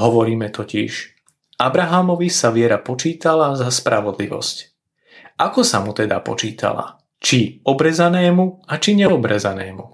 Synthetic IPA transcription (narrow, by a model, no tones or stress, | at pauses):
ɦɔʋɔɾiːmɛt̪ɔcḭʃ | ʔabɾaɦamɔʋisaʋɪɛɾapɔt͡ʃiːt̪alazaspɾaʋɔd̪lḭʋɔ̰sc | ʔakɔsamut̪ɛd̪a̰pɔ̰t͡ʃiːt̪a̰la̰ | t͡ʃiɔbɾɛzanɛːmuat͡ʃiɲɛɔbɾɛzanɛːmu